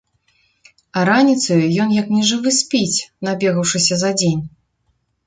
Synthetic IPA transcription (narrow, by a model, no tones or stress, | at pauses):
ɐɾanʲit̪sɐjujɔnjɐknʲɛʐɨvɨsʲpʲit͡sʲnabʲeɣɐwʂɨsʲɐzɐd͡zʲenʲ